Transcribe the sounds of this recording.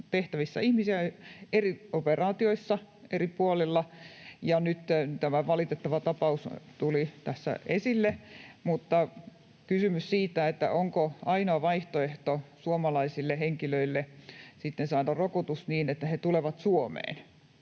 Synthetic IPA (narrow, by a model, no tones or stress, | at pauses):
t̪eht̪æʋisːæ̰ihmisiæerioperɑːt̪ioisːɑ | eripuolilːɑjɑnyt̪ːt̪æmæʋɑlit̪et̪ːɑʋɑt̪ɑpɑust̪ulit̪æsːæ̰esilːemut̪ːɑ | kysymyssiːt̪æet̪ːæ̰ʔoŋkoɑinoɑʋɑiht̪oeht̪osuomɑlɑisilːeheŋkiløilːesit̪ːensɑːdɑrokot̪usniːnet̪ːæhet̪uleʋɑt̪suomḛːn